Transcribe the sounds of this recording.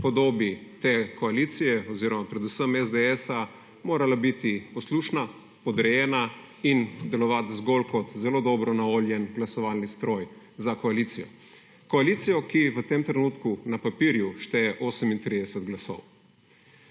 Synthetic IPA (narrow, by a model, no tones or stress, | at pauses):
pɔd̪oːbit̪eːkɔaliːt̪sijɛɔziːɾɔmapɾɛd̪usəmɛzd̪ɛɛsa | moːɾalabit̪ipɔsluːʃna | pɔd̪ɾɛjɛːna | ind̪ɛlɔʋat̪zɡolkɔt̪zɛloːd̪ɔbɾɔnaʋoːljɛnɡlasɔʋalnist̪ɾoːj | zakɔalit̪sijɔ̰ | kɔaliːt̪sijɔkiʋət̪eːmt̪ɾɛnuːt̪kunapapiɾjuʃt̪ɛjɛʔoːsəmint̪ɾiːd̪ɛsɛt̪ɡlasɔ̰w